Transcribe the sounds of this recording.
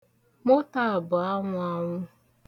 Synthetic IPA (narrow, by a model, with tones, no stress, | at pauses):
mo˦ta˦a˨bʊ˨a˦ŋʷʊ˦a˦ŋʷʊ˦